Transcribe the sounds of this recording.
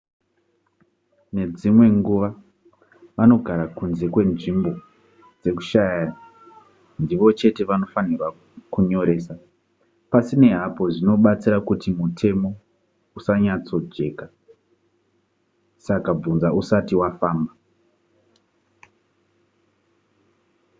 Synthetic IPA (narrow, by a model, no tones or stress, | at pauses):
ne̞d͡zimwe̞ŋɡuʋa | ʋano̞ɡʱaɾakunze̞kwe̞nʐimbo̞ | d͡ze̞ku̥ʃaja | ndiʋo̞t͡ʃe̞te̞ʋano̞fanirwa | kuɲo̞ɾe̞ːsa | pasine̞ɦapo̞ʐino̞ɓat͡siɾakutimutʰe̞mo̞ | usaɲat͡so̞d͡ʒe̞ːka | sakab͡vunzausatiwafaːmba